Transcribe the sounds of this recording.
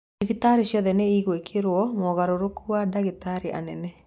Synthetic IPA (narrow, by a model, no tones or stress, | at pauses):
ifit̪aɾiʃjɔðɛnɛiɣwekʰeɾwɔmɔɣaɾoɾokuadaɣit̪aɾiʔa̰nɛnɛ